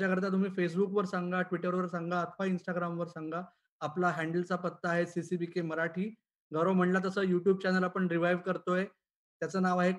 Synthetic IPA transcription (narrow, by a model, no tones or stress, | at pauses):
t͡ɕjakəɾt̪̬at̪um̤iːfes̬bukʋəɾsãŋɡaʈʋiʈəɾʋəɾsãŋɡaət̪ʰəʋainsʈaɡɾamʋəɾsaŋɡaː | plaɦæɳɖəlt͡sapət̪ːəaɦesisibikeməɾaʈʰiː | ɡəɾom̤əɳlat̪əsəːjuʈjuːb̚t͡ɕɛnəlapəɳɾiʋajʋkəɾt̪oje | t̪jat͡səːnaʋaɦe